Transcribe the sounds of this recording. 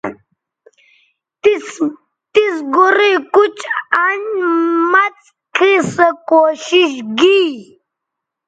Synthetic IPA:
t̪isɡuɾikut͡ʃanmat͡s | kʰisɐkoɕiʃɡi

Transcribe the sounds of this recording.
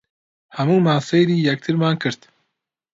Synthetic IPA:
hɐmuːmaːsejɾiːjɛk̚t̪ʰɨɾmaːnkʰɨɾt̪

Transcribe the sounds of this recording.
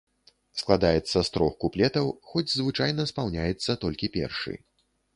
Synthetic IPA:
sklˠad̪ajɛt̪sːɐst̪ɾɔxkuplʲɛt̪ɐwxɔd͡zʲzvɨt͡ʂajnɐspawnʲajɛt̪sːɐt̪ɔlʲkʲipʲɛ̰rʂɨ̰j

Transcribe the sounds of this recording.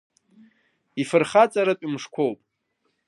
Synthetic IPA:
ifɨrχat͡sʼaɾatʼimʂkʷʰowpʼ

